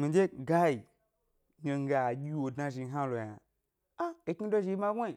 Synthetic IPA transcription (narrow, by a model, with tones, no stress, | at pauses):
mi˨d͡ʒe˦ɡa˦i˨ | ɲe˨ŋ̩˦ɡe˨a˨ɡʲi˦wo˨dna˧ʒi˨˦ɦa˦lo˨ja˨ | a˦e˨ki˦do˦ʒi˧i˦ma˦ɡʷo˦i˨